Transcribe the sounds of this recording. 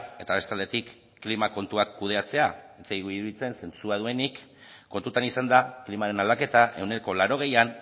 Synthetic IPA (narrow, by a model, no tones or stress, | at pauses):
e̞t̪aβe̞st̪eald̪e̞t̪ikː | limako̞nt̪uakːuð̞e̞at͡se̞aet͡seiɣuiɾuðit͡se̞nse̞nt͡suaðue̞nikː | o̞nt̪ut̪anisand̪aklimaɾe̞nald̪ake̞t̪aʔe̞wne̞ɾoko̞laɾo̞ɣ̞e̞jan